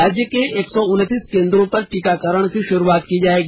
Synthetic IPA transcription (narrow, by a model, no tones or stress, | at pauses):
aːd͡ʒjəkeeːksɔʊnt̪iːskẽːnd̪ɾõpɐɾʈikakəɾəɽ̃kiʃʊɾuaːt̪kid͡ʒaːeːɡi